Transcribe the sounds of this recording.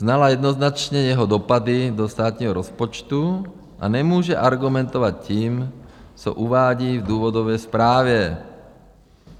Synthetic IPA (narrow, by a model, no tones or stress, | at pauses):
znalajɛd̪nɔznat͡ʃɲɛjɛɦɔd̪ɔpad̪id̪ɔʃt̪aːt̪ɲɛɦɔɾɔspɔt͡ʃt̪u | ʔa̰ɲɛmʊɔːʒɛʔaɾɡumɛnt̪ɔʋacciːmt͡sɔ̰ʔuʋaːɟiːvd̪uːʋɔd̪ɔʋɛjspɾaːʋɛ